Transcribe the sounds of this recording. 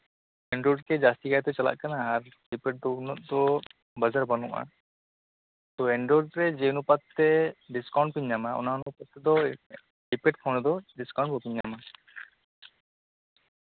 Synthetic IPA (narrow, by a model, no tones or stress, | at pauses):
ɛɳɖɾɔɖkɛd͡ʒast̪ikajt̪ɔt͡ʃala̰ʔkanaːɾɖipeʈ̚d̪ɔɡnɔt̪̚d̪ɔ | bəd͡ʒaɾbanṵʔa̰ | t̪ɔɛɳɖɾɔɖɾɛd͡ʒeunupat̪ːɛɖiskawɳʈ̚piɲːamaɔ̰naunupat̪ːɛd̪ɔ | ɖipeʈ̚pʰɔnɔd̪ɔɖiskaw̃ɳʈ̚pɔpiɲːama